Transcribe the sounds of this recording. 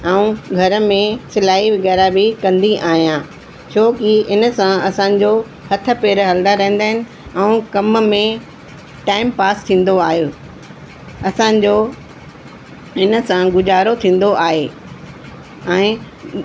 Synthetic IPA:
ɛũɡʱɐɾə̆mẽsɪlaːiʋɪɡɛːɾabɪkɐ̃nd̪iʔaːɦijã | t͡ɕʰoːkiɪnə̆sãɐsãɲ̆d͡ʑo | hɐt̪ʰə̆peːɾɦɐld̪aɾɐ̃ɦẽn̆d̪aːɦɪnɪ̆ | ɛ̃ũkɐmmẽ | ʈaːɪmpaːst̪ʰĩːn̆d̪oaːɦijoː | ɐsã̆d͡ʑoː | ɪnə̆sãɡʊd͡ʑaːɾot̪ʰĩːn̆d̪oʔaːɦeː | ɛ̃ː

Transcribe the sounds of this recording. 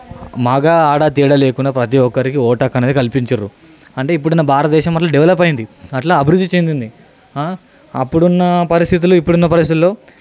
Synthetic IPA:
mɐɡaːaːɽaːt̪iːɽɐleːkuɳɖaːpɾɐt̪̬iɔkːɐɾikiɔːʈɐkɐneːd̪ikɐlipiɲt͡ʃɐɾu | ɐɳʈe̞ːip̬ːuɽɐnːɐbʱaːɾɐt̪ɐd̪ɛːʃɐmːɐʈlɐmɖɛʋlɐpːɐjind̪iɐʈlaːɐbʱiɾud̪ːit͡ʃend̪ind̪i | a | ɐ̰pːuɽunːɐpɐɾist̪ʰit̪̬uluipːuɽunːɐpɐɾisit̪ulːo̞ː

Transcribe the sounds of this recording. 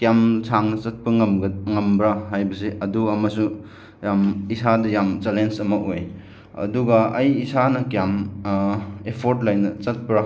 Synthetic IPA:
kjamsʰaŋnɐt͡ʃɐt̚pɐŋɐmɡɐŋɐmbɾaɦajbɐseʔɐduɐmɐsu | jamisadɐjamt͡ʃelensɐmɐʔoj | ɐ̰duɡɐɐjisanɐkijam | epʰoɾtlajnɐt͡ʃɐt̚pɾa

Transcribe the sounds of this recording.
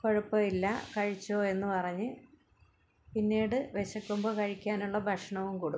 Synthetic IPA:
ko̞ɻupːɐilːɐkɐɻit͡ɕːo̞ːe̞nːɨpɐrɐɲːɨ | pinːeːɽɨʋeɕɐkːumboːkɐɻikʲːaːnuɭːɐbʱɐʂɐɳɐʋumkoːɽu

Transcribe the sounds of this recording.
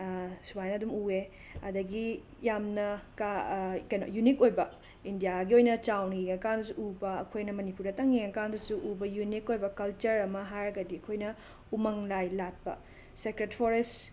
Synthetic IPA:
subajnɐɐdumue | ɐdɐɡi | jamnɐkakɐjno̰junikojbɐ | indijaɡiojnɐt͡ʃawniɡɐkandɐs̬uʔubɐɐ̰kʰojnɐmɐnipuɾdɐtɐŋiɡɐnɐkandɐsuʔubɐjunikojbɐkɐlt͡ʃɐɾɐmɐɦajɾɐɡɐdiɐkʰojnɐ | umɐŋlajlat̚pɐ̰ | sekɾetpʰoɾest

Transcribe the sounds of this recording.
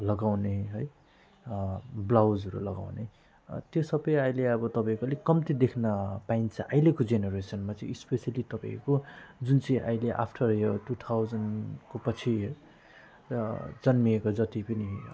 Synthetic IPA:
lʌɡawneɦʌj | blawd͡zɦʌɾṵlʌɡa̰wne | t̪josʌbʌjajleʌbʌt̪ʌpãikolekʌmt̪id̪ekʰnʌpaint͡sʰʌʔajlekod͡zeneɾesʌnmat͡sʌĩispesalit̪ʌpaḭkod͡zunt͡sʌ̃ʔa̰jleʔa̰pʰʈʰʌrjoʈut̪ʰawd͡zʌnkopʌt͡sʰi | d͡zʌnmiekod͡zʌt̪ipʌni

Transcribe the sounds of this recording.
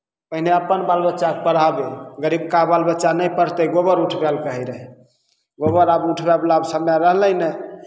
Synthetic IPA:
pəɦineəpənbalbətːʃakpəɽabeɡəɾib̚kabalbətːt͡ʃʃanəjpəɽt̪əɡobəɾuʈʰbɛlkəɦɛɾəɦɛ | ɡobəɾabuʈʰbɛblabsəmjaɾəɦləjnɛ

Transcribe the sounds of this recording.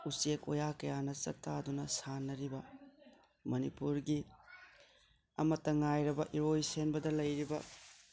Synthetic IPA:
usekojakɐjanɐt͡ʃɐ̰k̚tadunɐsanːɐɾibɐ | mɐnipuɾɡi | ɐ̰mɐtːɐŋajɾɐbɐʔiɾojsenbɐdɐlɐjɾibɐ

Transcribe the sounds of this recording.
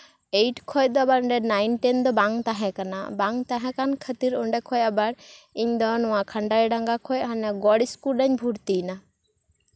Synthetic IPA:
ejʈkʰɔjd̪ɔabaɾɔɳɖɛnajnʈɛnd̪ɔbaŋt̪ãɦɛ̃kana̰baŋt̪aɦɛ̃kankʰət̪iɾɔɳɖɛkʰɔjabaɽiɲd̪ɔnɔwakʰaɳɖajɖaŋɡakʰɔjɦanaɡɔɽiskuɾɗaɲbʱuɽt̪ina

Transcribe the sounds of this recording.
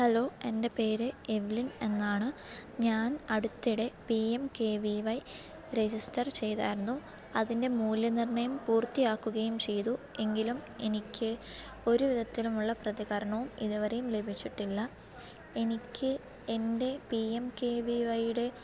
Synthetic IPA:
hɐlo̞ːe̞nde̞pe̞ːɾɨeʋiline̞nːaːɳɨɲaːnɐɽut̪ːiɽe̞piemke̞ːʋiʋɐj | red͡ʑistɐrt͡ɕe̞jt̪a̰ːjiɾunːu | ɐðinde̞muːljɐnirɳɐjɐmpuːrt̪ːijaːkːuɣɐjumt͡ɕe̞jt̪ue̞ŋɡilumenikʲːɨ | o̞ɾuʋiðɐt̪ːilumuɭːɐprɐðiɣɐɾɐɳɐʋumḭðuʋɐɾe̞jumle̞bʱit͡ɕːiʈːilːɐ | e̞nikʲːɨ | e̞nde̞piemkeːʋiʋɐjuɽe̞

